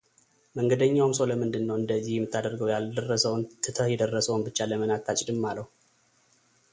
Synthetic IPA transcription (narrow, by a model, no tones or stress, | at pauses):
məŋɡəd̪əɲːawumsoləmɨnd̪ɨnːəwɨnd̪əzːihjɛmːɨt̪ʰːad̪əɾɡəwjald̪ərːəsəwnt̪ʰɨt̪ʰəjɛd̪ərːəsəwunbɨt͡ʃːaləmənat̪ʰːat͡ʃʼd̪ɨmːaləh